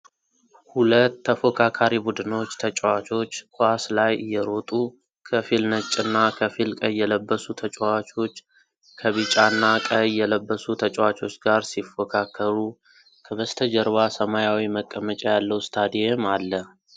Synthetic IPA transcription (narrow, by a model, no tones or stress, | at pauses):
hulət̪ːəfokʰakʰaɾibud̪ɨno̞t͡ʃːt̪ʰət͡ʃʼwat͡ʃʰʼo̞t͡ʃːkʰʷaslajjːɛɾo̞t̪ʼu | kʰəfilnət͡ʃʼːɨnːakʰəfilkʼəjːɛləbːəsut̪ʰət͡ʃʼwat͡ʃʰʼo̞t͡ʃː | kʰəβɨt͡ʃʼanːakʼəjːɛləbːəsut̪ʰət͡ʃʼwat͡ʃʰʼo̞t͡ʃːɡaɾsifokʰakʰːəɾu | kʰəβəst̪ʰəd͡ʒəɾβasəmajawiməkʼːəmət͡ʃʼajalːəwst̪ʰad̪ijemalːə